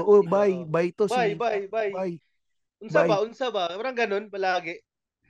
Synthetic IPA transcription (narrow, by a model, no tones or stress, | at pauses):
oʔobajbajt̪osajbajbajbaj | ʊnbajbaʔʊnsabapaɾaŋɡɐnonpɐlaːɡɛ